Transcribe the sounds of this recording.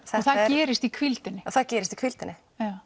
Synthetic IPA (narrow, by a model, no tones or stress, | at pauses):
θɛθaðɛːɾɪst̪ikʰvilt̪ɪnːɪɔθaðcɛːɾɪst̪i̥kʰv̥ilt̪ɪnːɪ | a